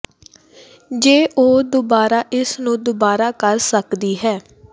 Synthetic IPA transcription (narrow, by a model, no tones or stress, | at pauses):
d͡ʒeːʔoːd̪obaːɾaːʔɪsnũːd̪obaːɾaːkəɾsəkd̪iːɦɛː